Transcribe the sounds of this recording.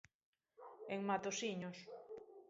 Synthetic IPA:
eŋmat̪osiɲos

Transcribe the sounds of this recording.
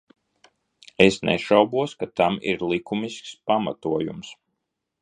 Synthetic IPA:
esnɛ̰ʃawbuɔskat̪amḭɾlˠikumiskspama̰t̪uɔjṵms

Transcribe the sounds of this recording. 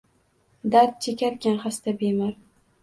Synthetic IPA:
d̪aɾt̪̚t͡ʃʰekʲaɾkʲanχast̪abemaɾ

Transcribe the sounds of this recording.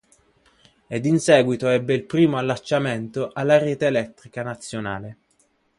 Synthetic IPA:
ed̪insɛːɡwit̪oɛbːeilpɾiːmoalːat͡ʃːament̪oʔalːaɾeːt̪eːlɛt̪ːɾikanat̪sːjonaːle

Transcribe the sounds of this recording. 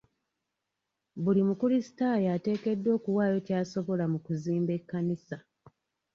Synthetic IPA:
bulimukulisi̥tajaːte̞ːke̞dːo̞ːkuwaːjo̞caːso̞βo̞lamukuziːmbe̞kːanisa

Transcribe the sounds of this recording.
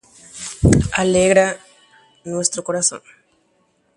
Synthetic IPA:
aleɣɾa | nwest̪ɾokoɾaso̰ŋ

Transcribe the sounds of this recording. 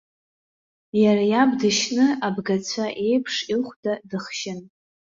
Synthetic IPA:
jarajabdɨʃnɨabɡat͡sʷʰaʔe̞jpʰʂilχʷdadɨχʃɪn

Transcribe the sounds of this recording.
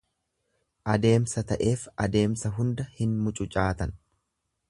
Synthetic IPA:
ʔɐd̪e̞ːmsɐt̪ɐʔe̞ːfɐd̪e̞ːmsɐɦʊnd̪ɐhɪnmʊt͡ʃʼʊt͡ʃʼaːt̪ɐn

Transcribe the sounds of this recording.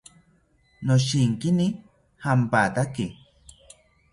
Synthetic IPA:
noʃiŋkini | hampat̪aki

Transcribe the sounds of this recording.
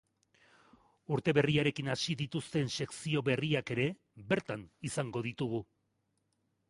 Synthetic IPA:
uɾt̪e̞βe̞riaɾe̞kinasiðit̪ust̪e̞nse̞ksio̞βe̞riake̞ɾe̞ | βe̞ɾt̪anisaŋɡo̞ð̞it̪uɣ̞u

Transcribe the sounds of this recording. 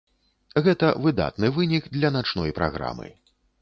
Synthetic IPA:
ɣɛt̪ɐvɨd̪a̰t̪nɨvɨnʲiɡd̪lʲɐnat͡ʂnɔjpɾa̰ɣɾa̰mɨ̰

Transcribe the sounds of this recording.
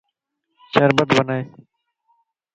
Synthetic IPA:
ʃəɾbət̪bənaːeː

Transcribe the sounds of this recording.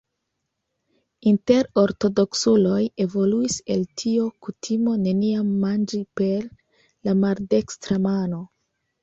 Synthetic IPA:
inte̞ɾo̞ɾto̞do̞ksulo̞je̞vo̞luise̞ltʰio̞kutʰimo̞ne̞niamːand͡ʒipe̞ɾ | lamalde̞kstɾamano̞

